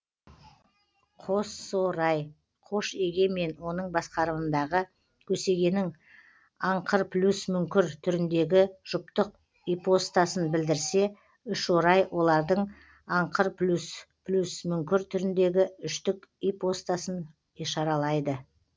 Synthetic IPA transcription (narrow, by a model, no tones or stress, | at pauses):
qʰo̞soɾɑj | qʰo̞ʃe̞ɡʲe̞me̞nwo̞nəɴbɑsqɑɾəmənd̪ɑʁə | kʲʰɵse̞ɡʲe̞nɪŋ | ɑɴqʰəɾplʲusmʏŋkʲɪɾt̪ʰʏɾɪnd̪e̞ɡʲɪʒ̥ʊpt̪əq̚ | ijpo̞st̪ɑsənbɪld̪ɪɾse̞ | ʏʃwoɾɑjwʔo̞lˠɑɾd̪əɴ | ɑɴqʰəɾplʲus | plʲusmʏŋkʲɪɾt̪ʰʏɾɪnd̪e̞ɡʲɪʏʃt̪ɪkipo̞st̪asən | iʃɑɾɑlˠɑjd̪ə